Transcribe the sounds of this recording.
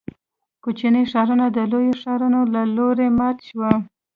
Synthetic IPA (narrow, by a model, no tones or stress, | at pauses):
kot͡ʃinəʂɑɾunad̪əlojoʂɑɾunolaloɾemɑt̪ʃwa